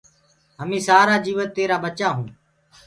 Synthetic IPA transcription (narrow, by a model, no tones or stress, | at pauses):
ɦəmĩːsaːɾaːd͡ʒiːʋət̪ːeːɾaːɓət͡ʃaːɦũː